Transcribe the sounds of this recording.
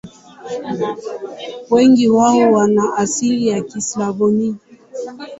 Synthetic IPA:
wɛŋɡiwaɦɔwanaʔasilijakislavɔni

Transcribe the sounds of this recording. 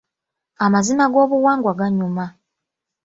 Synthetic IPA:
amazimaɡo̞ːβuwaːŋɡwaɡaɲuma

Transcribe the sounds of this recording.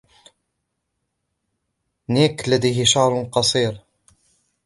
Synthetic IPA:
niklːæd̪æjɦɪʃɑʕɾˤnqɑsˤiɾ

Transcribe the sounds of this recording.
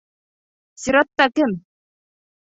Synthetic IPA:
siɾɔt̪ːakɘm

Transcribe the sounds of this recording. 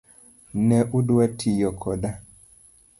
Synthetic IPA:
nɛʔudwɛtʰijɔkʰɔda

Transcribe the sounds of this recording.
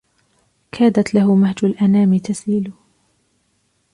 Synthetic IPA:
kʰaːd̪at̪laɦʊmahd͡ʒʊlʔanaːmɪt̪asiːlʊ

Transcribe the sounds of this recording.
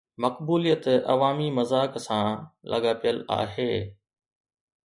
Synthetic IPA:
mɐqbuːlijət̪ɐ̰ʋaːmimɐzaːksãːlʔɐ̰ɠaːpijəla̰ːɦeː

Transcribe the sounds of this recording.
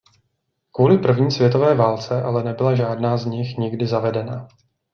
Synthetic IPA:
kvuːlɪpr̩vɲiːsvjɛt̪o̞vɛːvaːlt͡sɛʔalɛnɛbɪlaʒaːdnaːzɲɪxɲɪɡdɪzavɛdɛnaː

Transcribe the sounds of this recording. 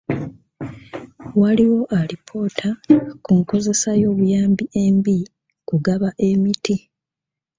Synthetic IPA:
waliwo̞ʔalipʰo̞ːtʰakuŋko̞ze̞sajo̞ːβujaːmbiʔe̞ːmbi | kuɡaβaʔe̞miti

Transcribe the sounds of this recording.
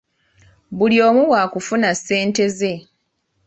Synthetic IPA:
buljo̞ːmuwakufunasːe̞ːnte̞ze̞

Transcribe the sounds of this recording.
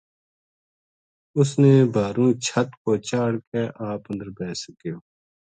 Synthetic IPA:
ʊsneːbʱaːɾũːt͡ʃʰət̪koːt͡ʃaːɽkeːʔaːpə̃nd̪əɾbeːsəkijoː

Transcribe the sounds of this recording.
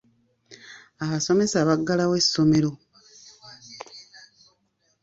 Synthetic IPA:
aβaso̞me̞saβaɡːalaweso̞me̞ɾo̞

